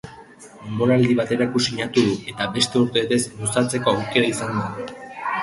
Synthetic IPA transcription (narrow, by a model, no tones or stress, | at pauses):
embo̞ɾald̪iβ̞at̪e̞ɾakusiɲat̪uðue̞t̪aβe̞st̪e̞uɾt̪eet̪e̞zlusat͡se̞ko̞awke̞ɾaisand̪a